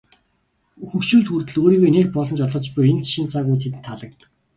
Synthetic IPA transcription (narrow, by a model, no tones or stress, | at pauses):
xɵxʃuːɮxurt̪ɵ̆ɮɣoːɾiːɣojneːxpɔɮɞ̆nt͡ɕɔɮɞ̆t͡ɕpʊjent͡sʃint͡saːɣujt̪ʰet̪ɘ̆nt̪ʰːaɮə̆k̚t̪ə̆k